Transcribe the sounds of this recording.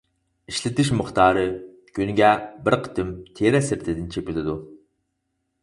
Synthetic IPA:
iʃlɪt̪ɪʃmʊχt̪ʰɑːɾɨ | kʲʰynɪɡʲɛbɪɾqʰə̥t̪ʰɪmt̪ʰeɾɛsɪɾt̪ʰɪd̪ɪnt͡ʃʰepʲilɪd̪u

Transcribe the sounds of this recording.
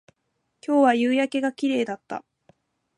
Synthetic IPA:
kʲo̞ːβajɯːjake̞ɡakʲiɾe̞ːd̪at̪ːa̰

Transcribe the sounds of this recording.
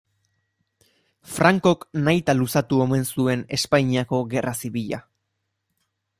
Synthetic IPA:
fɾaŋko̞knajt̪alusat̪uo̞me̞nsue̞ne̞spajɲiako̞ɣe̞rasiβiʎa̰

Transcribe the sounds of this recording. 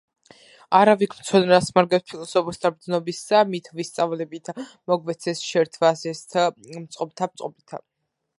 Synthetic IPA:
aɾavikʰmt̪sʰɔnɾasmaɾɡɛspʰilˠɔsɔpʰɔst̪ʰabɾd̪znɔbisːamit̪ʰvist̪sʼavlɛbit̪ʰ | mɔɡvɛt̪sʰɛsʃɛɾt̪ʰvasɛst̪ʰmt̪sʼqʼɔbt̪ʰamt̪sʼqʼɔbit̪ʰa̰

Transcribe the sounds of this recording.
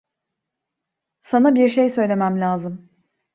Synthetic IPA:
sanabiɾʃejsø̞jlʲe̞mæmlʲaːzɯm

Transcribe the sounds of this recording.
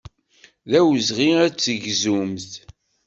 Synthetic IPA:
ðæwəzʁiæt͡sːəʝzumθ

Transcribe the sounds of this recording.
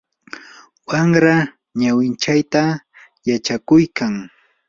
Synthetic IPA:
waŋɾa | ɲawɪnt͡ʃajt̪a | jat͡ʃakʊjkaŋ

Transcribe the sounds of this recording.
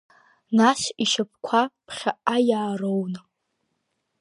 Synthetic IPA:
naʃiʃap̚ʰkʷʰapʰχʲaʔajaːrown

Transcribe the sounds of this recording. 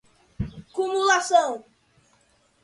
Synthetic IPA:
kumulasɐ̃w̃

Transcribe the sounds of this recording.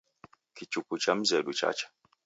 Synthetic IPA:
kit͡ʃukut͡ʃam̩zɛɗut͡ʃa̰t͡ʃḁ

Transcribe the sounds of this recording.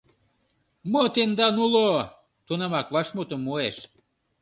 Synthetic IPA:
mot̪end̪ɑnulo | t̪onɑmɑkβɑʃmut̪ə̆mːoeʃ

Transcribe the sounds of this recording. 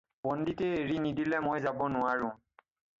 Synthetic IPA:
bɔnditeeɹinidilɛmojzabɔnʊaɹʊ̃

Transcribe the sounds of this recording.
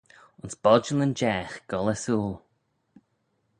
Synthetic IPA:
ʊnsb̥ɔd͡ʒələnd͡ʒɛːxɡ̥ɔləsuːlˠ

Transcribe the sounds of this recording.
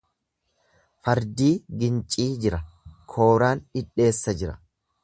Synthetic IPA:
fɐɾd̪iːɡɪnt͡ʃʼiːd͡ʒɪɾɐkʰo̞ːɾaːnɪᶑe̞ːsːɐd͡ʒɪɾɐ̥

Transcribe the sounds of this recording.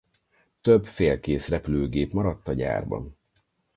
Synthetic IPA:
t̪øbfeːlkeːsrɛpyløːɡeːpmɒɾɒt̪ːɒɟa̰ːrbɒ̰n

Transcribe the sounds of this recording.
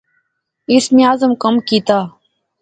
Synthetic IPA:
ɪsmiaːzəmkəmkiːt̪aː

